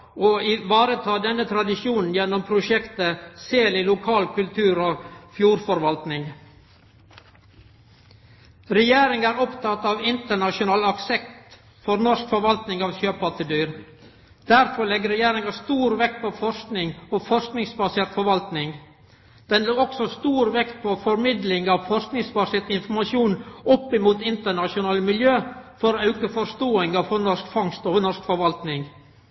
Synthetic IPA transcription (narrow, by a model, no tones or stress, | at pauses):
oɪʋɑːɾət̪ʰɑːd̪ɛnːət̪ʰɾɑd̪ɪʃuːnn̩jɛnːɔmpʰɾʊʃɛkt̪əseːlɪlʊkʰɑːlkʰʉlt̪ʰʉːɾoːfjuːɾfɔɾʋɑlt̪nɪŋ | ɾɛjeːɾɪŋæːɾɔpt̪ʰɑt̪ɑːʋɪnt̪əɳɑʃʊnɑːlɑksɛkt̪ | fɔɾnɔskfɔɾʋɑlt̪nɪŋɑːʋʃøːpɑt̪əd̪yːɾ | d̪̥æɾfɔɾɭɛɡːəɾɛjeːɾɪŋɑst̪uːɾʋɛkt̪̚pʰɔfɔɾsknɪŋɔfɔɾsknɪŋsbɑseːɾt̪fɔɾʋɑlt̪nɪŋ | d̪̥ɛnluɔksɔst̪uːɾʋɛkt̪̚pʰɔfɔɾmɪd̪lɪŋɑʋfɔɾsknɪŋsbɑseːt̪ɪnfɔɾmɑʃuːnɔpːɪmuːt̪ɪnt̪əɳɑʂʊnɑːləmɪljøːfɔɾɔɑʉkəfɔɾst̪oːɪŋɑfɔɾnɔskfɑŋst̪ɔnɔʂkfɔɾʋɑlt̪nɪŋ